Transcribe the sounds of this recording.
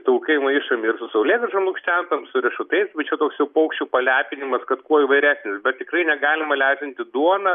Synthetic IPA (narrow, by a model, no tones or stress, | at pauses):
t̪ɐʊkɐɪmɐɪʃɐmʲɪɪrsʊsɐʊlʲeːt̪ʲɪʃɐmlˠʊkʃʲt͡ʃʲænt̪ɐmsʊɾʲɛʃʊt̪ɐɪsbɐɪt͡ʃʲɛt̪oːksjɛʊpɐʊkʃʲt͡ʃʲuːpɐlʲæːpʲɪnʲɪmɐskɐt̪kuɔiʋɐɪɾʲæːsʲnʲɪsbʲɛt̪̚t̪ʲɪkɾɐɪnʲɛɡɑːlʲɪmɐlʲæːzʲɪnʲt̪ʲɪd̪uɔnɐ